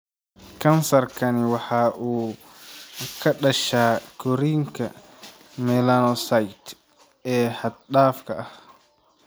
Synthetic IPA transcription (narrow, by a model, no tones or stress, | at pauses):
kʰɐnsɐrkʰɐnɪwɑħaːʔuː | kʰɐɗɐʃaːkʰɔɾiŋkʰɐ̰ | mɛlanɔsajt̪ | ɛːhɐd̪̚ɗaːfkʰɐɐh